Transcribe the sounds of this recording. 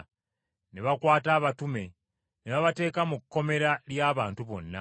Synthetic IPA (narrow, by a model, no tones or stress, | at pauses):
neβakwaːtaːβatume̞ | neβaβate̞ːkamukːo̞me̞ɾaljaːβaːntuβo̞̰nːa̰